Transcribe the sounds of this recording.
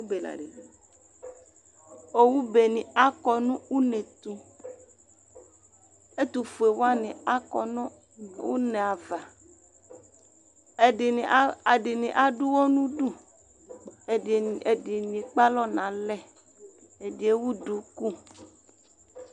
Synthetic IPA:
u˦be˨la̰˨ɖe˨ | o˦wu˦be˨nĩ˨a˦kɔ˨nũ˦wu˦nẽ˨t̪u˦ | e˦t̪u˨fu˨e˨wo˦a˦nĩ˨a˦kɔ̰˨nũ˦ | wṵ˦nẽ˨a˨va˨ | e˦˨˦a˨ɖɪ˨nĩ˨ʔa˦ɖu˦wo˦nũ˦ɖu˦˨ | e˨di˨nĩ˨k͡pa˦lɔ˦nã˨lɛ˦˨ | e˨di˨e˦wu˦ɖu˨ku˦

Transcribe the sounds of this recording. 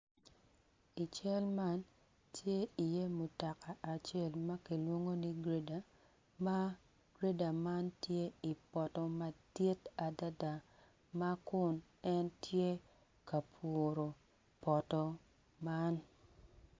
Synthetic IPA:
i˨t͡ʃɛ˦lma˦n | tʰje˦i˨je˦mu˨ta˨ka˨ʔːt͡ʃe˦lma˦ki˨lwo˦ŋo˦ni˦ɡɾe˦da˨ | ma˦ | ɡ̥ɾe˦da˨ma˦ntje˦i˨pɔ˨tɔ˨ma˦di˦ta˨da˦da˨ | ma˦kʊ˦n | ɛ˦ntʰje˦ | ka˨pʰo˨ɾo˨ | pɔ˨tɔ˦ | ma˦n

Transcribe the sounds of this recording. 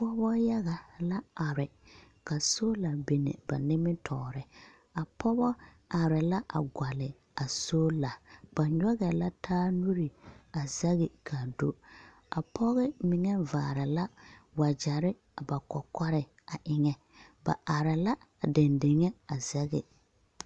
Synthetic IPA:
pɔ˦bɔ˦ja˦ɣa˨la˦a˨ɾɪ˨ | ka˨soː˦la˨be˨nḛ˨ba̰˨nɪ˦mɪ˦tʰɔː˨ɾɪ˨ | a˨pɔ˦bɔ˦ | a˨ɾɪ˨la˦ʔa̰˨ɡʷa˨lɪ˨ | a˨soː˦la˨b̥a˨ɲɔ˦ɣɛ˨la˦tʰaː˦nu˦ɾi˨a˨zɛ˦ɣɪ˨kʰa˨do˦ | a˨pʰɔ˦ɣɛ˦mɪ˨ŋɛ˦vaː˨ɾɪ˨la˦wa˨d͡ʒa˨ɾɪ˦ | a˨ba˨kɔ˨kɔ˦ɾɪ˨ | a˨ʔɪ˨ŋɛ˨ | ba̰˨ʔa˨ɾɪ˨la˦˨ | dɪ˨ndɪ˨ŋɛ˦a˨zɛ˦ɣɛ˨

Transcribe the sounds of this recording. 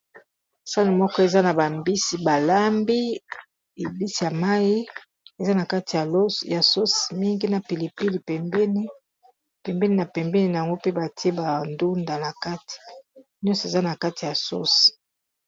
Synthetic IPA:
sa˦li˨mɔ˦kɔ˦e˨za˦na˨ba˨mbi˦si˨ba˨la˦mbi˦ | e˨bi˦si˨ja˨ma˦ji˦ | e˨za˦na˨ka˦ti˨a˨lja˨so˦si˨mi˦ŋɡi˦na˨pi˨li˨pi˦li˨pɛ˨mbɛ˦ni˦ | pɛ˨mbɛ˦ni˨na˨pɛ˨mbɛ˦ni˨na˨a˨ŋɡo˦pe˦ba˨ti˦e˦ba˨ndu˦nda˨na˨ka˦ti̥˨njɔ˦sɔ˨e˨za˦na˨ka˦ti˨ja˨so̰˦si̥˨

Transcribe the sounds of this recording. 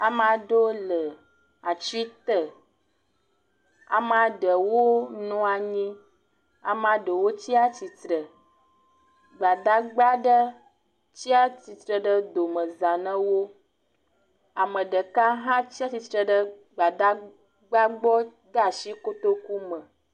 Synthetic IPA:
a˨m˦ã˨ɖo˦lə˨ | a˨t͡ʃi˦t̪ə˨ | a̰˨m˦a˨ɖə˨wo˦nũ˦a˨ɲĩ˦ | a̰˨m˦a˨ɖə˨wo˦t͡ɕi˦a˦t͡ɕi˨t̪ɾə˨ | ɡ͡ba˨d̪a˦ɡ͡ba˦ɖə˦ | t͡ɕi˦a˦t͡ɕi˨t̪ɾə˨ɖə˦d̪o˨mə̃˨zã˨nə̃˦wo˦ | a˨mə̃˨ɖə˨ka˦ɦã˦t͡ɕi˦a˦t͡ɕi˨˦t̪ɾə˨ɖə˦ | ɡ͡ba˨d̪a˦ | ɡ͡ba˦ɡ͡bɔ˦ | ɡa˦˨ʃi˦ko˦t̪o˦ku˦mə̃˨

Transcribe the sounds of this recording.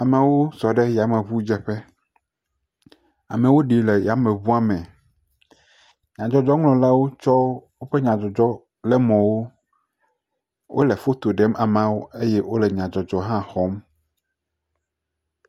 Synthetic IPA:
a˨me˨wo˦sɔ˨ɖɛ˦ja˨mẽ˨βu˦d͡ʒɛ˨ɸɛ˦ | a˨mẽ˨wo˦ɖi˨lɛ˨ja˨mẽ˨βu˦a˦mɛ̃˨ | ɲã˨d͡ʒɔ˨d͡ʒɔ˦ŋlɔ̃˨la˦wo˦t͡ʃɔ˦wo˦ɸe˦ɲã˨d͡ʒɔ˨d͡ʒɔ˦ | lɛ˦mɔ̃˨wo˦ | wʔo̰˦le˨fo˦t̪o˨ɖɛ˦ma˨mã˦wo˦e˦jɛ˦wo˦lɛ˨ɲã˨d͡ʒɔ˨d͡ʒɔ˦ɦã˦xɔ˨˦m

